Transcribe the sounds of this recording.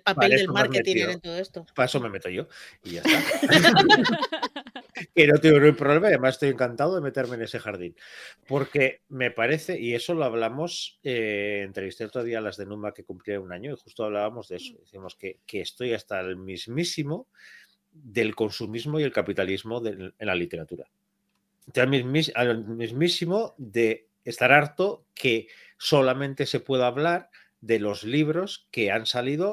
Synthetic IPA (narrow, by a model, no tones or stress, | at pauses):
lpaeledelomaaɾmet̪ieɾent̪oðoest̪opaeso̞me̞me̞t̪oʝo̞iʝasa | ke̞not̪eɣonumpɾoβle̞majaðemasest̪oje̞ŋkant̪aðoðe̞me̞t̪e̞ɾme̞ːne̞se̞xaɾðinpo̞ɾke̞me̞paɾe̞θe̞ʔie̞so̞loaβ̞lamo̞seent̪ɾeβist̪elot̪ɾoðialazðe̞nũmake̞kumpljeunaɲo̞ixust̪oaβ̞laβamo̞zðee̞so̞ðiθiamo̞ske̞keːst̪o̞jast̪almizmisimo | ðe̞lko̞nsumizmo̞je̞lkapit̪alizmo̞ðeenlalit̪e̞ɾat̪uɾa̰ | t̪mimisamizmisimoðe̞ː | st̪aɾaɾt̪o̞ke̞ | so̞lamẽ̞nt̪e̞se̞pwe̞ðaːβlaɾ | ðe̞lo̞zliβ̞ɾo̞ske̞ansaliðo̞